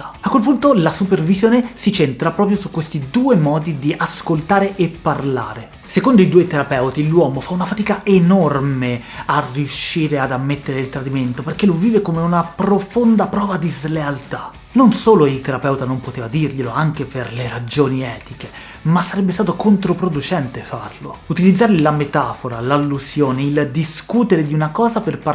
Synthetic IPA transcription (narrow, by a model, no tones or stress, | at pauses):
akːwelpunt̪olasupervizjoːnesit͡ʃent̪ɾapɾɔːpɾjosukːwest̪id̪uːemɔːd̪id̪iʔaskolt̪aːɾeʔepːarla̰ːɾe | sekond̪oid̪uːojt̪eɾapɛwt̪ilwɔːmofaunafat̪iːkaʔenormearːiuʃːiːɾead̪amːet̪ːeɾeilt̪ɾad̪iment̪operk̟elovːiːvekomeunapɾofond̪apɾɔːvad̪izlealt̪a | nonsoːloilt̪eɾapɛwt̪anompot̪eːvad̪irʎeloaŋk̟eperleɾad͡ʒoːniɛːt̪ik̟e | masːaɾɛbːest̪aːt̪okont̪ɾopɾod̪ut͡ʃɛnt̪efarlo̰ut̪ilid̪zːaːɾlilamet̪aːfoɾalalːuzjoːneild̪iskuːt̪eɾed̪iunakɔːzaperpa